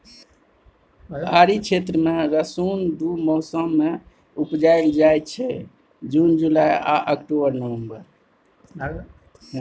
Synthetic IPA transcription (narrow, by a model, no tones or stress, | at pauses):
ɦaɾit͡ʃʰet̪ɾəmeɾəsund̪umɔɦsəmːe | upd͡ʒajld͡ʒajt̪t͡ʃʰɛ | d͡ʒund͡ʒulaja̰ʔəkʈobəɾnəwembəɾ